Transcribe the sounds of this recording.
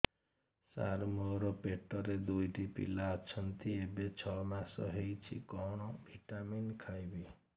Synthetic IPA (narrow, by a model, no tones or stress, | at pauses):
sa̰ɾmoɾopeʈːɔɾed̪ujʈipḭlat͡ʃʰʌnt̪iebet͡ʃʰɔmasɔ̰ɦejt͡ʃʰḭkɔwɳ̃ɔbʱiʈaminkʰajbi